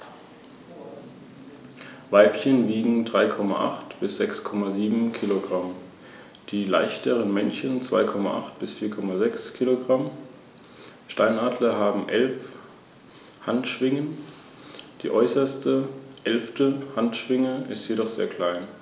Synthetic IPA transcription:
vaɪpçənviːɡŋ̩dʁaɪkʰɔma̰ʔa̰χtb̥ɪsz̥ɛkskʰɔmaziːbm̩kʰiloɡʁam | d̥iːla̰ɪçtʰəʁənmɛnçənt͡sv̥a̰ɪkʰɔma̰ʔa̰χtb̥ɪsfiːɐkʰɔmazɛkskʰiloɡʁam | ʃtaɪnaːdlɐɦaːbm̩ʔɛlf | hantʃv̥ɪŋən | d̥ḭːʔɔʏsɐstʰəʔɛlftəhantʃv̥ɪŋəɪstjedɔχz̥ḛːɐkʰl̥aɪn

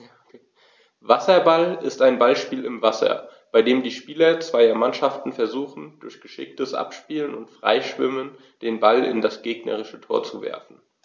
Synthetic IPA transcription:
j | vasɐbalɪstaɪnbalʃpiːlɪmvasɐ̰b̥aɪdeːmdiːʃpiːlɐt͡sv̥aɪɐmanʃaftn̩fɛɐzuːxn̩d̥ʊɐçɡ̥əʃɪ̰k̚təsʔa̰pʃpiːlənʊntfʁ̥a̰ɪʃv̥ɪ̰mən | d̥eːnbalɪ̰ndasɡ̥eːɡnɐ̰ʁɪʃətʰoːɐt͡suvɛ̰ɐfn̩

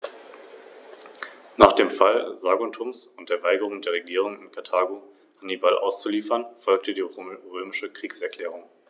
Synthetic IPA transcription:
naːχd̥eːmfalzaːɡʊntʰʊmsʊnt̚d̥eːɐvaɪɡəʁ̞ʊŋdeːɐʁeɡiːʁ̞ʊŋɪnkʰaɐtʰaːɡo | hanibalʔa̰ʊst͡suliːfɐnfɔlk̚tədiːʁøːmɪʃəkʁ̥iːksɛɐkl̥ɛːʁ̞ʊŋ

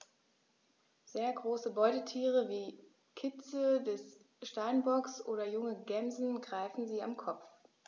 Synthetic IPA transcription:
z̥eːɐɡʁoːsəbɔʏtətʰiːʁ̞əviː | kʰɪt͡sədɛs | ʃtaɪnbɔksʔo̰ːdɐjʊŋəɡɛmzn̩ɡʁaɪfn̩ziːamkʰɔpp͡f

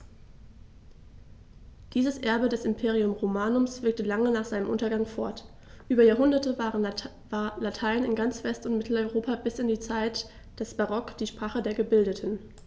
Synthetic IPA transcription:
d̥iːzəsʔɛɐbədɛsɪmpʰeːʁ̞iʊmʁomaːnʊmsv̥ɪɐk̚təlaŋənaːχz̥aɪnəmʔʊntɐɡaŋfɔɐt | ʔyːbɐjaːɦʊndɐtəvaːʁən | alatʰaɪnɪnɡant͡sv̥ɛstʊntmɪtʰl̩ɔʏʁoːpabɪsɪndiːt͡saɪt | d̥ɛsb̥aʁɔkd̥iːʃpʁ̥aːχədeːɐɡəbɪldətʰən̩

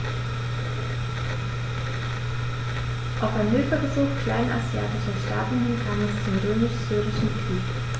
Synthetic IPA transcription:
ʔaʊfanmʏːfɐbəzuːxkʰl̥aɪnʔa̰zjaːtɪʃɐʃtaːtn̩hɪnkʰaːnɛst͡sʊmʁøːmɪʃz̥yːʁɪʃn̩kʁ̥iːk

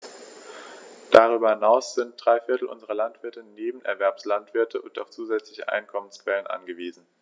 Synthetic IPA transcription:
d̥aʁ̞yːbɐhɪnaʊsz̥ɪnt̚d̥ʁaɪfɪɐtl̩ʔʊ̰nzəʁɐlantv̥ɪɐtəneːbm̩ʔɛ̰ɐvɛɐpslantv̥ɪɐtʰəʔʊntaʊft͡suːzɛt͡slɪçəʔa̰ɪnkʰɔmənskv̥ɛlənʔa̰nɡəviːzn̩

